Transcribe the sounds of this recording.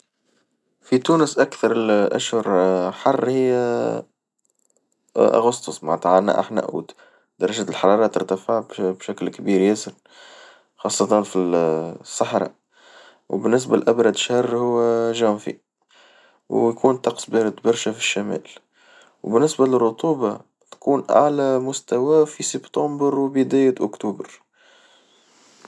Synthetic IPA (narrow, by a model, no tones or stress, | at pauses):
fit̪uːnəsʔækθɑɾˤəlʔæ̰ʃhʊɾħɑrˤːhɪjːæ | ʔa̰ɣʊst̪ʊsˤmaʕt̪aʕanæ̰ʔa̰ħnæ̰ʔṵːd̪ | d̪̥ɑɾˤːɑʒæːt̪lħɑɾˤɑːɾˤɑːt̪ːɑɾt̪afəʕbbʃæklkbiːɾjæsɪɾ | xɑsˤːɑt̪ɑnfisˤːɑħɾˤɑ̰ | wbɪnːɪs̬bælʔabɾˤɑd̪ʃhɑrˤːhʊwːæʒæːmfḭ | wjkuːnt̪ːɑqsˤbɛːɾɑd̪bɑɾˤʃæfiʃːæmæ̰ːl | wbɪnːɪsbælɪrːʊt̪ˤuːbɑ | t̪kuːnʔa̰ʕlæmʊst̪æwæfisɪbt̪ɑmbəɾwbəd̪æːjæʔʊkt̪uːbəɾ